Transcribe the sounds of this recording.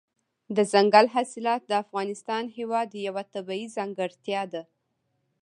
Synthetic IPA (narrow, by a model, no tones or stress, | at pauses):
d̪əzaŋɡalɦasɪlɑt̪̚d̪əafɣɑnɪst̪ɑnhewɑd̪jawat̪abɑizaŋɡaɽt̪jɑd̪a